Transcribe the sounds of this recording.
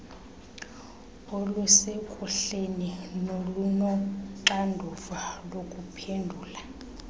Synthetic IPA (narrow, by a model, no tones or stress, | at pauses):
ɔlusekʼuɬeninolunɔǃandʱuvalokʼupʰendʱuːla